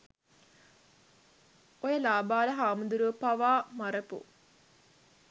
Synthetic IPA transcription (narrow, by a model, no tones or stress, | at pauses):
ojəlaːbaːləɦaːmud̪uɾuəpaʋaːmaɾəpṵ